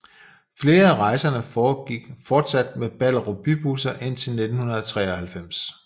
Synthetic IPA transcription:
fle̝ːɐæʁɑ̈ɪsɐnəfɒːɡ̥iɡ̥fɒːd̥sæd̥meb̥æl̰ɐʁob̥yb̥usɐʔe̝n̰t͡sʰe̝lne̝d̥n̩hunɐð̞ˠɐt͡sʰʁɛ̰ːɒhælfem̰s

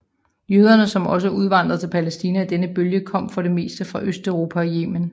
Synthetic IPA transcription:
jøːð̞ˠɐnəsɒ̽mɒ̽s̬əuð̞ˠʋɑ̈n̰d̥ʁɐðˠt͡sʰe̝lpʰælesd̥iːnææd̥enəb̥øljəkʰɒ̽m̰fɒ̽ɾe̝me̝̰ːsd̥əfʁɑ̈ʔøsd̥œʊʁo̝ːpʰæɒje̝̰ːmən

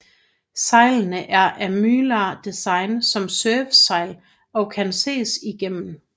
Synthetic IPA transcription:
sɑ̈ɪ̰lnəʔæɐʔæmyːlɑd̥isɑ̈ɪnsɒ̽msœːʋsɑ̈ɪ̰l | ɒ̽kʰænse̝̰ːsiɡ̥em̰n̩

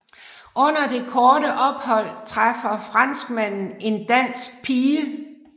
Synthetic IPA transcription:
ʔɔ̽n̰ɐd̥e̝kʰɒːɾəʔɒ̽b̥hɒ̽l̰t͡sʰʁɑfɐfʁɑn̰sɡ̥mæn̰n̩e̝nd̥æn̰sɡ̥̚pʰiːə

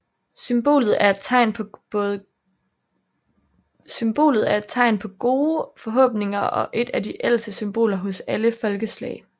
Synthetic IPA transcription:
symb̥o̝̰ːlð̞̩ˠæɐed̥t͡sʰɑ̈ɪ̰npʰːðˠ | symb̥o̝̰ːlð̩ˠæɐe̝d̥̚t͡sʰɑ̈ɪnpʰɒ̽ɡ̥o̝ːfɒ̽ɦɔ̰̽ːb̥ne̝ŋɐʔɒ̽ʔe̝d̥æd̥iʔel̰sd̥əsymb̥o̝̰ːlɐɦɔ̽sæləfɒ̽lɡ̥əslɛ̰ɪ

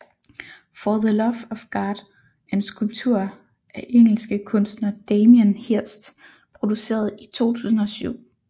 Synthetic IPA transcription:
fɒðəlɒʋɒfɡ̥ɑ̈ːd̥ | æɐe̝nsɡ̥ulb̥̚t͡sʰuɐ̰ | ʔæʔeŋ̰l̩sɡ̥əkʰɔ̽nsd̥nɐd̥eɪmiənhiɐ̰sd̥ | pʰʁo̝d̥use̝̰ːɐð̞̩ˠit͡sʰo̝̰ːt͡sʰṵːs̬n̩ɒ̽syʊ̰

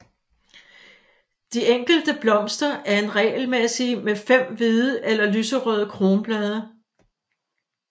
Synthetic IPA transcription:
d̥ieŋ̰ɡ̥l̩d̥əb̥lɒ̽m̰sd̥ɐʔæɐe̝nʁɛ̰ːlmesimefem̰ʋiðˠəʔelɐlysəʁœð̞ˠəkʰʁo̝ːnb̥lɛð̞ˠɐ

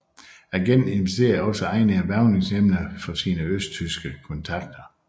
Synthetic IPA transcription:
æɡ̥ene̝nʋesd̥e̝̰ːɐɒ̽səɑ̈ɪnəæʋæɐʊneŋsemnəfɒsiːnəøsd̥t͡sʰysɡ̥əkʰɔ̽nt͡sʰɑ̈ɡ̥̚d̥ɐ

